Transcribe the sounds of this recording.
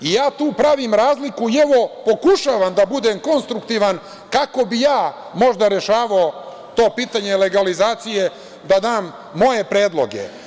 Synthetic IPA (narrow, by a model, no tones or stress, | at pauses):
ijaːt̪uːpɾaʋimɾaːzlikuieʋo̞po̞kuʃaʋamd̪abud̪emko̞nst̪ɾukt̪iːʋan | kako̞bijaː | mo̞ʒd̪aɾe̞ʃaːʋao | t̪o̞ːpiːt̪aɲele̞ɡalizaːt̪sije̞ | d̪ad̪aːmː | o̞je̞pɾe̞ːd̪lˠo̞̰ɡe̞̰